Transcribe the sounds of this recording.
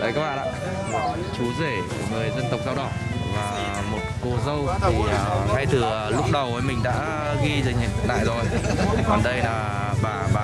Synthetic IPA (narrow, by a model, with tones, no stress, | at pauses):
ʔəː˨˦jkaː˦˥k̚ɓa̰ː˧˨a̰ː˧˨ | t͡ɕu˨˦ze˧˩˨ŋɨ˨˩əjzə˧nt̪ə˨˩wk͡p̚zaː˧wɗɔ˧˩ | vaː˨˩ | mo˨˩t̚ko˧zə˧wt̪i˨˩ə˨˩ha˧jt̪ʰɨ˨˩˨lʊ˦˥k͡p̚ɗə˨˩wʔəː˨˦jmï˨˩ŋ̟ɗa̰ː˧˥ | ɣi˧zə˨˩ŋ̟hḭ˨˧˩t̪ʰk̚na̰ː˧˨jzo˨˩jkɔ˨˩nɗə˧jlaː˨˩ | ɓaː˨˩ɓaː˨˩